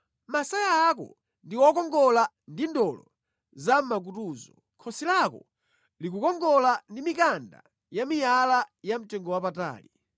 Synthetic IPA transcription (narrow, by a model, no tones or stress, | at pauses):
masajaːkɔ̰ | ndiwɔkɔŋɡɔla | ndindɔlɔ | zam̩mak̬utuːzɔ | kʰɔsilakɔ | lik̬ukɔŋɡɔlandimikanda̰ | jamijalajam̩tɛŋɡɔwapata̰ːli